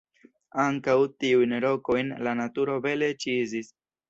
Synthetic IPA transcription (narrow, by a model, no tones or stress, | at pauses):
aŋkawtiujnɾo̞ko̞jnlanatuɾo̞ve̞le̞t͡ʃizis